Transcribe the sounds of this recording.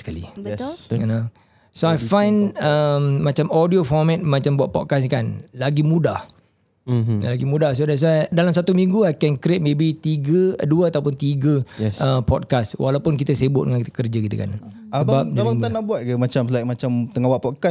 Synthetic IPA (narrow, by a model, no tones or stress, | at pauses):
skalḭɛna | soajfãjnəmːãt͡ʃamodiofɔmɛ̃t̪̚mãt͡ʃambuaʔ̪̚pɔt̚kas̬kanlaɡimũdah | alaɡimudahsodɛs̬adalamsat̪umĩŋɡuajkɛnkɾet̪̚mẽbit̪iɡəduəat̪awpʊnt̪iɡəəpɔt̚kaswʔalawpʊnkit̪əseəbʊʔ̚dəŋankit̪əkərd͡ʒəkit̪ə̰ka̰n | səbap̚dmaŋanahbuat̪̚kəmat͡ʃams̬lajʔmat͡ʃamt̪əŋawaʔpɔt̚kas